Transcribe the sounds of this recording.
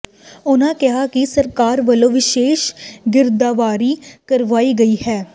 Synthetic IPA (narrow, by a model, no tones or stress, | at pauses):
ʊnãːkɪɦaːkɪsəɾkaːɾʋəlõːʋɪʃeːʃɡɪɾd̪aːʋaːɾiːkəɾʋaːiːɡəiːhɛː